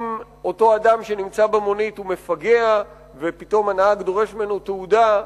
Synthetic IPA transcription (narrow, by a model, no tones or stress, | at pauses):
m | o̞to̞adamʃe̞nimt͡sabemo̞nithume̞faɡe̞a | vepito̞manaaɡd̪oʁe̞ʃmenut̪euda